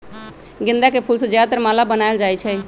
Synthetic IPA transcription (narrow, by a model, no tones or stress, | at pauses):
ɡĩnd̪akepʰulsəd͡ʒjat̪əɾmalabənaeld͡ʒajt͡ʃʰɛ